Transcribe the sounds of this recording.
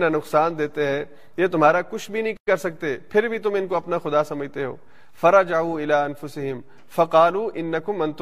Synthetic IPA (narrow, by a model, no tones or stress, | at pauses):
nanʊqsaːnd̪eːt̪eɦɛ̃ | jet̪ʊmɦaːɾakʊt͡ʃʰbʱinɐɦĩkɐɾsɐk̚t̪epʰɪɾbʱit̪ʊmɪnkoɐpnaxʊd̪asɐməd͡ʒʱt̪eɦo̰ː | fɐɾɐd͡ʒaʕuːɪlaːɐnfʊsɪɦɪm | fɐqɑːluːʔɪnːɐkʊmɐ̃nt̪ʊ